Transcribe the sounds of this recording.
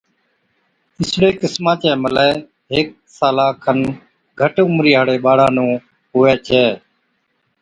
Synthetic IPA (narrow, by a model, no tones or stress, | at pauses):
ɪsɽeːkɪsmãːt͡ʃɛ̃ːməlɛː | ɦɪk̚ | saːlaːkʰən | ɡʱəʈʊmɾiːɦaːɽeːɓaːɽaːnũː | ɦʊʋɛːt͡ʃʰɛː